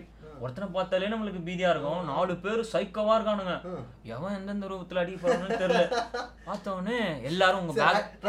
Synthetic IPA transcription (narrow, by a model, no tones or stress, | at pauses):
ɔɾɐt̪ːɐnɐpaːɾt̪aːljeːnɐmːɐɭɯk̬ːɯbiːðɪjaːɪɾɯkːʊ̃naːlɯpeːɾɯsɐɪkːɐʋaːɪɾɯkːaːnɯŋɡɐ | ɛʋɐ̃ɛnd̪ɐnd̪ɐɾuːbɐt̪ːɪlɐɽɪɐpːɐɾɐnɐnt̪ɛɾɪllɛpaːɾt̪ːɐneɛlːaːɾɯ̃ʊŋɡɐbaː